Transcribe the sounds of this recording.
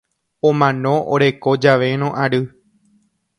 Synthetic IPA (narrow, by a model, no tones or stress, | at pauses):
õmãnõ̞ʔo̰ɾe̞ko̞d͡ʒaʋe̞ɾ̃õʔaɾɨ